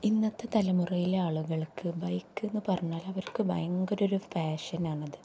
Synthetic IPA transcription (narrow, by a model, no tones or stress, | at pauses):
inːɐt̪ːet̪ɐlɐmurɐjileaːɭuɣɐɭkɨbɐjkːe̞nːɨpɐrɐɲːaːlɐʋɐɾkɨbɐ̰jɐŋɡoɾo̞ɾufaːʂɐnaːɳɐðɨ